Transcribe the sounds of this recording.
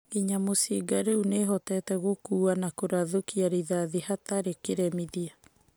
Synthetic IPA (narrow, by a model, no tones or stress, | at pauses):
iɲamosiɡaɾeuneɦɔtɛtɛɣokuːanakoɾaðokiaɾiðaðihataɾekeɾɛmiðia